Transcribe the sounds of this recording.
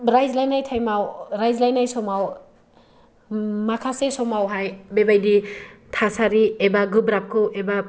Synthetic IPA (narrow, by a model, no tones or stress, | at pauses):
ɾajzlajnajtʰajmawɾajzlajnajsɔmaw | makʰasesɔmawɦajbebajditʰasaɾiebaɡɯbɾap̚kʰɯwʔeba